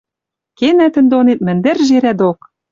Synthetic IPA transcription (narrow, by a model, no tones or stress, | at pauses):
kenæt̪ɘ̆nd̪onet̪̚mɘ̆nd̪ɘ̆rʒeɾæd̪ok